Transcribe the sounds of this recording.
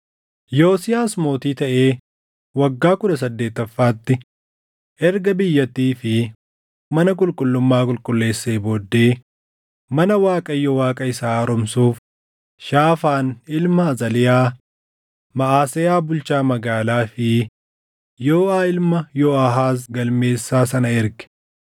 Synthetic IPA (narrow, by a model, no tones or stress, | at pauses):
joːsɪjaːsmo̞ːt̪iːt̪ɐʔe̞ː | wɐɡːaːkʊᶑ̪ɐsɐd̪ːe̞ːt̪ːɐfːaːt̪ːɪ | ʔɛɾɡɐbɪjːɐt̪ːiːfɪ | mɐnɐk̬ʼʊlkʼʊlːʊmːaːkʼʊlkʼʊlːe̞ːsːeːboːd̪ːe̞ː | mɐnɐwaːkʼɐjːɔwaːkʼɐɪsaːɐɾɔmsuːf | ʃaːfaːnɪlmɐzɐlɪjaː | mɐʔaːsɛjaːbʊlt͡ʃaːmɐɡaːlaːfɪ | joːaːɪlmɐjoːɐɦaːs̬ɡɐlme̞ːsːaːsɐnɐɪɾɡɛ̥